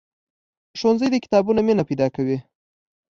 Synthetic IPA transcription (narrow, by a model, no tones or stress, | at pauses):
ʃonzəjd̪əkɪ̥t̪ɑbunaminapajd̪ɑkawi